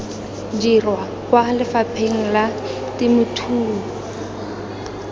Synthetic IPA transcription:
d͡ʒirwa | kwalɪfapʰeŋ̩la | tɪmʊtʰuː

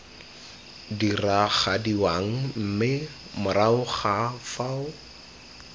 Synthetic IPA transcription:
diraχadiwaŋ̩m̩mɪ | mʊraʊχafaʊ

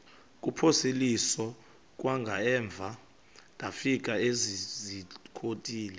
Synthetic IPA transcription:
kʼupʰoselisɔ | k̬ʼwaŋɡʱaɛːɱb̪vʱa | tʼafik̬ʼaezizikʰotʼiːlɛ

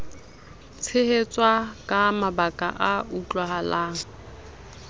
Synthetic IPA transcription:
t͡sʰɪhet͡sʼwakʼamabakʼa̰ʔaut͡ɬʼwaɦalaːŋ̩

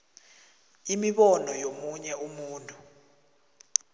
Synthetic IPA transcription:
imiɓɔnɔjomuɲɛumuːntʼu

